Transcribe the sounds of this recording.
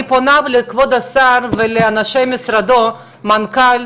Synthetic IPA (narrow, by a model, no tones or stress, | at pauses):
ponavlekvod̪asaɾveleanaʃejmisɾad̪o̞ | mankal